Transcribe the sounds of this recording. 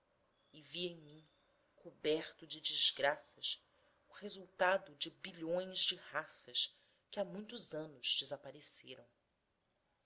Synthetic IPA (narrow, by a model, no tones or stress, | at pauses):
ɪviẽj̃mĩ | kʰobɛɾt̪ʊd͡ʒɪd͡ʒizɡɾasɐs | ʊhezuwt̪ad̪ʊd͡ʒɪbiʎõj̃zd͡ʒɪhasɐʃ | kɪamũj̃t̪ʊzɐ̃nʊz̥d͡ʒɪzapaɾeseɾɐ̃w̃